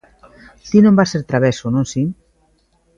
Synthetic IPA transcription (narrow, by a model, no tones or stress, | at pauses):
θinõmbaseɾt̪ɾaβesonõnsi